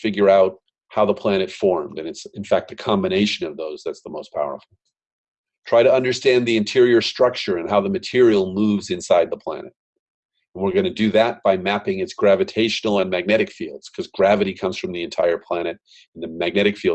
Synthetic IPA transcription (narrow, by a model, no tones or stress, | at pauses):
fɪɡjə˞aʊt̚ | haʊðəpʰl̥æñɨtfɔɹmdɨ̃nɨtsɨ̃nfæk̚t̪̚ɨkʰɑ̃mbɨneɪʃɨ̃nʌvðoʊzðætsðəmoʊspʰaʊə̰˞fl̩ˠ | tʰɹ̥aɪɾɨʌ̃ndə˞stæ̃nðiɨ̃ntʰɪɹiə˞stɹ̥ʌk̚t͡ʃə˞ɨ̃nɦaʊðəmɨtʰɪɹil̩ˠmuvzɨ̃nsaɪd̪̚ðəpʰl̥æ̰nɨt̚ | ɨ̃nwɨɹɡʌnɨdɨðɨt̚b̥aɪmæpɪ̃ŋɨtsɡ̥ɹævɨtʰeɪʃn̩l̩ˠə̃nmæɡ̚nɛɾɨkfilˠd̥z̥kʰʌzɡɹævɨɾikʰʌ̃mz̥fɹʌ̃mðiɨ̃ntʰaɪə˞pʰl̥æɾ̃ɨɾ̃ | n̩ðɨmæɡ̚nɛɾɨkfilˠ